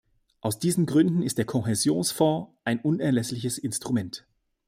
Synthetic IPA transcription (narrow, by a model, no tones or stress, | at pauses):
ʔaʊsd̥iːzn̩ɡʁʏndn̩ɪstd̥eːɐkʰɔɦɛzjoːnsfɔ̃ːʔaɪnʔʊnɛɐlɛslɪç̬əsɪnstʁ̥umɛnt